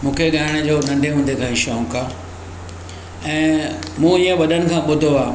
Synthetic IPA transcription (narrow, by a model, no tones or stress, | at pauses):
mũːkʰeɡaːɦɪɽ̃əd͡ʑoːnɐ̃nd̪ʱeʊ̃nd̪ʱekʰãːĩʃaũːkaː | ɛ̃ːmũːijə̃ʋɐɗʱənɪ̆kʰãːɓʊd̪ʱoaː